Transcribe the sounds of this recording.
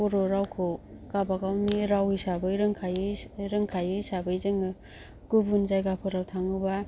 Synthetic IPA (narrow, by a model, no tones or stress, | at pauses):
uɾoɾawkʰo | kabaɡawniɾawisabɯjɾɯŋkʰajɯɾɯŋkʰajɯjsabɯjzɯŋɯ | ɡubunzajɡapʰɔɾaltʰaŋɯba